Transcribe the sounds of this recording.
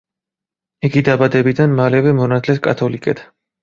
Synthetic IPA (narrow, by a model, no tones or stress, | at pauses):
iɡid̪abad̪ɛbid̪anmalɛvɛmɔnat̪ʰlɛskʼa̰t̪ʰɔlikʼɛt̪ʰ